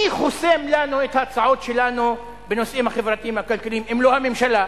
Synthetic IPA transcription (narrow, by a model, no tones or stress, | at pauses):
iχosemlanuet̪hat͡saʕo̞tʃe̞lanu | beno̞sʔimhaχevʁat̪iimhakalkalimimlohame̞mʃala